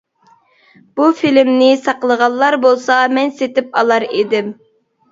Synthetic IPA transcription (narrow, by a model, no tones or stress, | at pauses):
b̥ufilmnɪsɑqəlˠəʁɑlˠːɑɾbolˠsɑmɛnset̪ɪpɑlˠɑɾed̪ɪm